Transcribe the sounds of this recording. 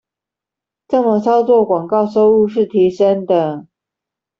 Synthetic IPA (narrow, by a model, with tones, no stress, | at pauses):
ʈ͡ʂɤ˥˩mə˨t͡sʰɑ˥ʊt͡swɔ˥˨˩kwɑ˨˩ŋkɑ˥˨ʊʂo˥ʊu˥˧ʂɻ̩˥˩t̪ʰi˨˥ʂə˦ŋd̪ə˨